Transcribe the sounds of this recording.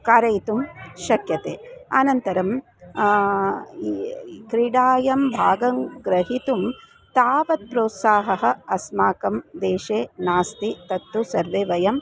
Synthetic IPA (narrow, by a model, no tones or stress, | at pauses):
kaːɾɐjt̪umʃɐkjɐt̪eːɐ̰nɐnt̪ɐɾɐm | kɾiɽaːjɐmbʱaːɡɐŋɡɾɐɦit̪um | t̪aːʋɐt̪̚pɾoːt̪saːɦɐɦɐ̆ɐsmaːkɐmd̪eːʃeːnaːst̪it̪ɐt̪ːusɐɾʋeːʋɐjɐm